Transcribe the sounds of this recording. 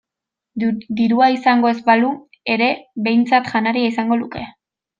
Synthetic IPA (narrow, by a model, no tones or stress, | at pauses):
d̪iɾuaisaŋɡo̞e̞zbalu | e̞ɾe̞βe̞jnt͡sat̪ʝanaɾiaisaŋɡo̞luke̞